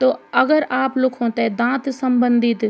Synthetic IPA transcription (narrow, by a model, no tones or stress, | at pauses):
t̪oːɐɡəɾaːplʊkʰõːt̪ed̪ãːt̪sɐmbə̃nd̪ɪt̪